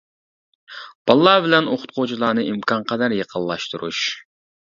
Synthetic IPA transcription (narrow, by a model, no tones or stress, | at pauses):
b̥ɑlˠːɑːbɪlɛnoχʊ̥t̪̚qʰot͡ʃʰilˠɑːnɨʔimkʰɑɴqʰɑd̪ɑɾjəqʰəlˠːɑʃt̪uɾṵʃ